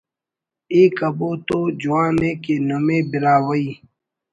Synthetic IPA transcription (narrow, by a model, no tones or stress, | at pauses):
eːkəboːt̪od͡ʒuwãːnẽːkeːnomẽːbiɾaːwəiː